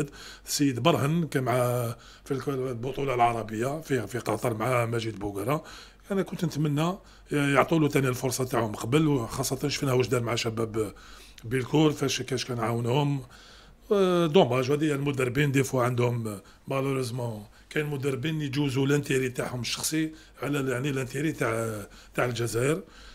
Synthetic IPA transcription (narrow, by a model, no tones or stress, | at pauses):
d̪sjəd̪bɑɾˤhənkæmʕa | fillbʊt̪ˤulɑlʕɑɾˤɑbəjːafifiqɑt̪ˤɑɾˤmaʕamæʒid̪bʊɡɾˤɑ | ænækʊnt̪nət̪mənːæ | jəʕt̪ˤulut̪ænilfʊɾˤsˤɑt̪aʕhʊmqɑbəlwxɑsˤːɑt̪ɑnʃfinhæwəʒd̪æɾmʕaʃæbæb | bəlkʊɾfæʃkæʃkænʕawənhʊm | d̪omæʒwhæd̪ijːælmʊd̪ərˤbind̪ifuʕənd̪hʊm | mæloɾəzmɑ̃ | kæjlmʊd̪ərˤbinjd͡ʒuzulʔənt̪iɾit̪aʕhʊməʃːɑ̥xsˤi | ʕlæjaʕnilʔənt̪iɾit̪aʕt̪aʕəlʒæzæʔəɾ